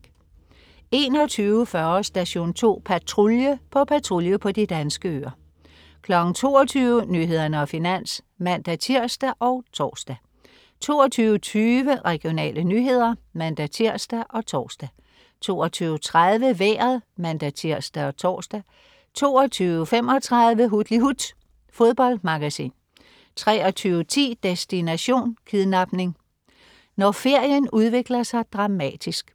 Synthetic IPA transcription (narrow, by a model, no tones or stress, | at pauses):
e̝ːnɒ̽t͡sʰyːʊəfɶɐsd̥æɕo̝̰ːnt͡sʰo̝̰ːpʰæt͡sʰʁuljəpʰɒ̽pʰæt͡sʰʁuljəpʰɒ̽d̥id̥ænsɡ̥əø̰ɐ | kʰlɒ̽ɡ̥n̩t͡sʰo̝ːɒt͡sʰyːʊənyɦe̝ð̞ˠɐnəɒ̽finæn̰s | mænd̥æt͡sʰiɐ̰sd̥æʔɒ̽ʊt͡sʰɒ̰ːsd̥æ | t͡sʰo̝ːɒt͡sʰyːʊət͡sʰyːʋəʁɛɡ̥ijo̝nɛ̰ːlənyɦe̝ð̞̰ˠɐmænd̥æt͡sʰiɐ̰sd̥æʔɒ̽t͡sʰɒ̰ːsd̥æ | t͡sʰo̝ːɒt͡sʰyːʊət͡sʰʁað̞ˠʋəʋḛːɐðˠmænd̥æt͡sʰiɐ̰sd̥æɒ̽t͡sʰɒ̰ːsd̥æ | t͡sʰo̝̰ːɒ̽t͡sʰyːʊəfem̰ɒ̽t͡sʰʁɑ̈ðˠʋəɦud̥liɦud̥ | fo̝ðˠb̥ɒ̽l̰d̥mɑ̈ɡ̥æsḭːn | t͡sʰʁɛːɒ̽t͡sʰyːʊət͡sʰḭːd̥esd̥inæɕo̝̰ːnkʰiðˠnɑ̈b̥ne̝ŋ | nɒfe̝ɐ̰jənuð̞ˠʋe̝ɡ̥lɐsɑ̈ɪd̥ʁɑ̈mɛ̰ːd̥isɡ̥